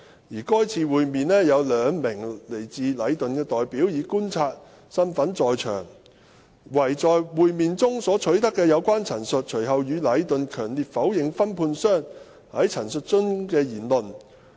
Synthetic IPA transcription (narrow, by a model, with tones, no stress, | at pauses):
jiː˨˩kɔː˥jt͡sʰiː˨˧wuː˨jmiː˨nlɛː˥jɐ˨˧wlœː˨˧ŋmɪ˨˩ŋle˨˩jt͡siː˨˧lɐ˨˧jt̪ɵ˨nkɛː˧t̪ɔː˨jpiː˨˥wjiː˨˧kuː˥nt͡sʰaː˧t̚ | sɐ˥nfɐ˨˥nt͡sɔː˨˧jt͡ʃʰœ̰ː˨˩ŋ | wɐ˨˩jt͡sɔː˨jwuː˨jmiː˨nt͡sʊ˥ŋsɔː˨˥t͡ʃʰɵ˨˥ɥt̪ɐ˥kːɛː˧jɐ˨˧wkʷaː˥nt͡sʰɐ˨˩nsɵ˨t̚t͡ʃʰɵ˨˩ɦɐ˨wjyː˨˧lɐ˨˧˥jt̪ɵ˨nkʰœː˨˩ŋliː˨t̚fɐ˨˥wjɪ˨ŋfɐ˥npʰuː˧nsœː˥ŋ | hɐ˨˥jt͡sʰɐ˨˩nsɵ˨t̚t͡sɵ˥ŋkɛː˧jiː˨˩nlɵ˨n